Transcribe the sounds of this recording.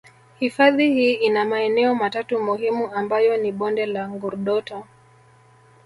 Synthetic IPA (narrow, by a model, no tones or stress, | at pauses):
hifaðihiːinamaɛnɛɔmatatumuhimuambajɔniɓɔndɛlaŋɡuɾɗɔtɔ